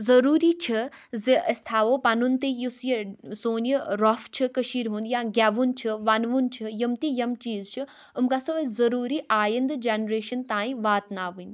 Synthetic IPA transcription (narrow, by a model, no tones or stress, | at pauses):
zɐɾuːɾit͡ʃʰɐziəst̪ʰaːʋoːpɐnunt̪ijusjəsoːnjəɾɔft͡ʃʰɨkəʃiːɾɦũːnd̪jãːɡʲaːʋunt͡ʃʰɨʋɐnʋunt͡ʃʰɨjɐmt̪ijɐmt͡ʃiːzt͡ʃʰu | ʊmkasozɐɾuːɾiʔaːjənd̪d͡ʒeːnɾeːʃɐnt̪ãːĩʋaːt̪naːʋun